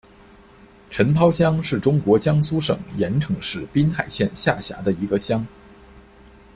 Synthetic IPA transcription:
ʈ͡ʂʰə˧˥nt̪ʰɑ˥ʊɕjɑ˥ŋʂɻ̩˥˩ʈ͡ʂʊ˥ŋkwɔ˧˥t͡ɕjɑ˥ŋsu˥ʂɤ̰˨˩ŋjɛ˧˥nʈ͡ʂʰɤ˧˥ŋʂɻ̩˥˩pi˥nxa˨˩ɪɕjɛ˥˧nɕja˥˩ɕja̰˧˥d̪ə˧i˧˥ɡə˧ɕjɑ˥ŋ

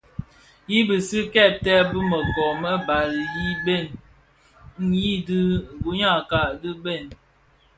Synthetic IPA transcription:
ji˦bə˨si˦kɛ˦˨tɛ˦bə˦mə˨kɔ˨mə˦ba˨li˨ji˦be˦˨n | n̩˦ji˦dɨ˦˨bu˦ɲa˦˨ka˨dɨ˦be˦˨n

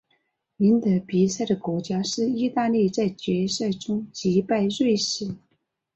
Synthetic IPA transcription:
i˧˥nt̪ɤ˧˥pi˧˥sa˥˩ɪd̪ə˩kwɔ˧˥t͡ɕja˥ʂɻ̩˥˩i˥˧t̪a˥˧li˥˧t͡sa˥˩ɪt͡ɕɥɛ˧˥sa˥˩ɪʈ͡ʂʊ˥ŋt͡ɕi˧˥pa˥˧ɪɻwe˥˧ɪʂɻ̩˥˩

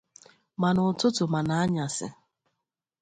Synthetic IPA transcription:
ma˨nʊ˨tʊ˦tʊ˨ma˨na˨a˦ɲa˨sɪ̰˨

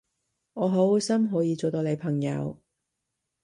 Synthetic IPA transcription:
ŋɔː˨˧ɦo˨˥wsɐ˥mɦɔː˨˥jiː˨˧t͡so˨wt̪oː˨wle˨˧jpʰɐ˨˩ŋjɐ̰˨˧w

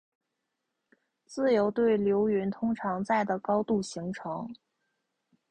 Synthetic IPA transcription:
t͡sɹ̩˥˩jo˧˥ʊt̪we˥˩ɪljo˧˥ʊy˧˥nt̪ʰʊ˥ŋʈ͡ʂʰɑ˧˥ŋt͡sa˥˩ɪd̪ə˩kɑ˥ʊt̪u˥˩ɕi˧˥ŋʈ͡ʂʰɤ˧˥ŋ

